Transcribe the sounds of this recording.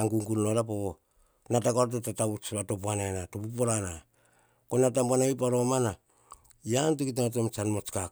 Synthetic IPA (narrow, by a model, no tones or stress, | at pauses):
aŋɡuŋɡulnoɾapo | natakoɾt̬etataut͡ʃβato̞p̬uananatopupoɾana | konatampuanaip̬aɾomana | jantikitamat̬emt͡ʃanmot͡ʃka